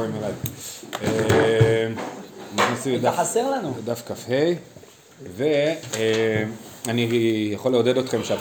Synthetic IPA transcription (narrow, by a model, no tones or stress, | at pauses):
imelaj | e | nanasiod̪aħase̞ʁlanud̪afkafhe̞j | ve̞e | anijaχo̞leode̞do̞t̪χe̞mʃeat